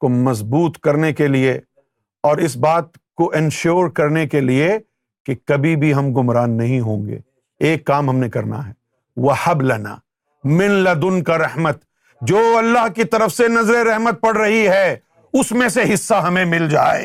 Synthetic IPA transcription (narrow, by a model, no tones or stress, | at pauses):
komɐzbuːt̪kɐɾnekelie | ɔːɾɪsbaːt̪̚ | koʔɪnʃoːɾkɐɾnekelie | kekɐbʱibʱiɦɐmɡʊmɾaːnːɐɦĩɦõːŋɡḛː | eːkːaːmɦɐmnekɐɾna̰ɦɛː | ʋɐhɐblɐna̰ː | mɪ̃nlɐd̪ʊnkaɾɐhmət̪ | d͡ʒoːɐlːaːɦkit̪ɐɾəfsenɐzɾeɾɛɦmət̪̚pɐɽɾɐɦiɦɛː | ʊsmẽseɦɪsːaɦɐmẽmɪld͡ʒa̰ːḛː